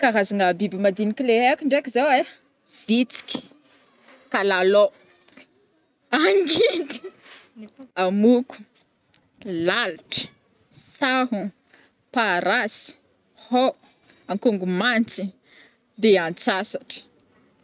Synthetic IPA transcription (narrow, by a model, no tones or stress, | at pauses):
kaɾazaŋabibimad̪inikileɦakʲiɳɖ͡ʐekʲizawe | v̥it͡si̥kʲi̥ | kalalo | aŋɡid̪i | amuku̥ | lalʈ͡ʂə̥ | saɦu | paɾasi̥ | ho | aŋkuŋɡumant͡si | d̪eant͡sasaʈ͡ʂə̥